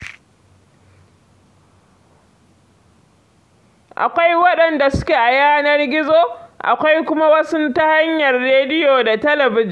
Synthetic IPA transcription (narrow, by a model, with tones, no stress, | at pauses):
ʔa̰˨kʷa˦jwɐ˦ɗɐ˨nda˨sʊ̥˦kʲeː˨ʔa˨jaː˦nɐ˦rɡʲɪ˦zoː˦ʔa̰˨kʷa˦jkʷʊ˦ma˦wɐ˦sʊ˦ntɐ˦ha˦ɲjɐ˨rːeː˦dɪ˦joː˨da˨tɐ˦lɐ˨bɪ˦d͡ʒ